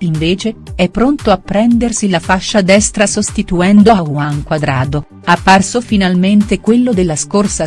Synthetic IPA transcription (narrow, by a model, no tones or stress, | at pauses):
iɱveːt͡ʃeɛpːɾont̪oapːɾɛnd̪ersilafaʃːad̪ɛst̪ɾasost̪it̪uɛnd̪oauaŋkwad̪ɾaːd̪o | apːarsofinalment̪ekwelːod̪elːaskorsa